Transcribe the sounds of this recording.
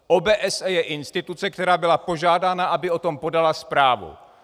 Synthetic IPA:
ʔobɛːʔɛsɛjɛʔɪnst̪ɪt̪ut͡sɛk̚t̪ɛɾaːbɪlapo̞ʒaːdaːnaʔabɪo̞t̪o̞mpo̞dalaspɾaːvṵ

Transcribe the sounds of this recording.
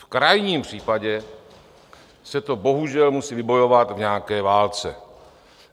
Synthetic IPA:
fkɾajɲiːmpr̝̥iːpaɟɛ | sɛt̪o̞bo̞ɦuʒɛlmusiːvɪbo̞jo̞vat̪vɲaːkɛːvaːlt͡sɛ

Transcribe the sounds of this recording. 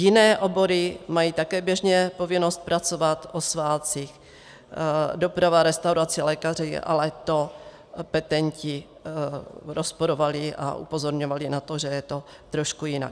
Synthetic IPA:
jɪnɛːʔo̞bo̞ɾɪmajiːt̪akɛːbjɛʒɲɛpo̞vɪno̞st̪̚pɾʔat͡so̞vat̪ʔosvaːt͡six | do̞pɾavaɾɛst̪awɾat͡sɪlɛːkariʔa̰lɛt̪o̞ | pɛt̪ɛɲcɪ | ɾo̞spoɾo̞valɪʔa̰ʔṵpo̞zo̞ɾɲovalɪnat̪o̞ʒɛjɛt̪o̞ | t̪ɾo̞ʃkujɪna̰k

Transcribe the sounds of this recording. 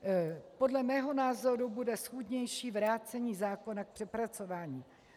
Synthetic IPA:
po̞dlɛmɛːɦo̞naːzo̞ɾubudɛsxudɲɛjʃiːvɾaːt͡sɛɲiːzaːko̞nak̚pr̥ɛpɾat͡so̞vaːɲiː

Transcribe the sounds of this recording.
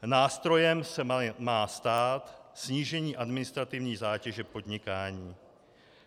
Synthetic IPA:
naːst̪ɾo̞jɛmsɛmaːst̪aːt̪sɲiːʒɛɲiːʔadmɪnɪst̪ɾat̪ɪvɲiːzaːcɛʒɛpo̞dɲɪkaːɲiː

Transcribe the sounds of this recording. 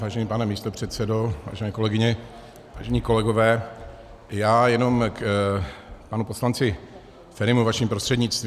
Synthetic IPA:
vaːʒɛniːpanɛmiːst̪opr̝̥ɛt̪sɛdo̞va̰ːʒɛnɛːko̞lɛɡɪɲɛ | va̰ːʒɛɲiːko̞lɛɡo̞vɛː | jaːjɛno̞mk | panupo̞slant͡sɪ | fɛɾɪmuvaʃɪmpɾost̪r̥ɛdɲɪt͡st̪v

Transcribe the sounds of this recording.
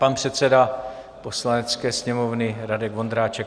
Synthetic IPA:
panpr̝̥ɛt̪t͡sɛda | po̞slanɛt͡skɛːsɲɛmovnɪɾadɛɡvo̞nd̪ɾaːt͡ʃɛk

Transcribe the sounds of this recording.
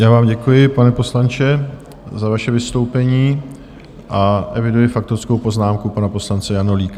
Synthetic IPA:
jaːvaːmɟɛkujɪpanɛpo̞slant͡ʃɛ | zavaʃɛvɪst̪o̞wpɛɲiː | ʔaʔɛvɪdujɪfak̚t̪oɾsko̞wpo̞znaːmkupanapo̞slant͡sɛjanoliːka

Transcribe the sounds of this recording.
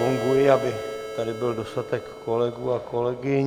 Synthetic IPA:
oŋɡuɪabɪt̪adɪbɪldost̪at̪ɛkːolɛɡuakolɛɡɪɲ

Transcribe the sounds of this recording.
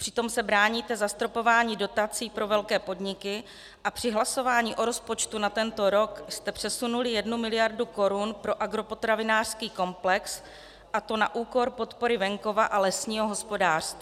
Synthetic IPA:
pr̝̥ɪt̪o̞msɛbɾaːɲiːt̪ɛzast̪ɾo̞po̞vaːɲiːdo̞t̪at͡siːpɾo̞vɛlkɛːpo̞dɲɪkɪ | ʔapr̥ɪɦlaso̞vaːɲiːʔo̞ɾo̞spo̞t͡ʃt̪unat̪ɛnt̪o̞ɾo̞kst̪ɛpr̥ɛsunulɪjɛdnumɪlɪjaɾduko̞ɾunpɾo̞ʔaɡɾo̞po̞t̪ɾavɪnaːr̥skiːko̞mplɛks | ʔat̪o̞na̰ʔuːko̞ɾpo̞t̪po̞ɾɪvɛŋko̞vaʔalɛsɲiːɦo̞ɦo̞spo̞daːr̥st̪vi

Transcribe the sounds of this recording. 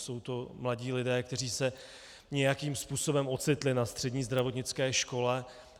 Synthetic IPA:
so̞wt̪o̞mlaɟiːlɪdɛːkt̪ɛr̝iːsɛ | ɲɛjakiːmspuːso̞bɛmo̞t͡sɪt̪lɪnast̪r̝̥ɛdɲiːzd̪ɾavo̞t̪ɲɪt͡skɛːʃko̞lɛ

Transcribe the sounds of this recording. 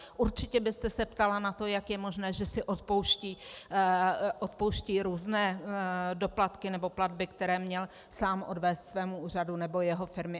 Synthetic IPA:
ʔuɾt͡ʃɪcɛbɪst̪ɛsɛpt̪alanat̪o̞jakjɛmo̞ʒnɛːʒɛsɪʔot̪̚powʃciː | ʔot̪̚po̞wʃciːɾuːznɛːdo̞plat̪kɪnɛbo̞pladbɪkt̪ɛɾɛːmɲɛl | saːmʔo̞dvɛːst̪svɛːmuuːr̝adunɛbo̞jɛɦo̞fɪɾmɪ

